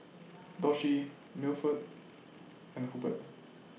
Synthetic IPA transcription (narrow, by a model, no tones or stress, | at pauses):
dɔʃi | milfət̚ | ɛ̃nhubət̚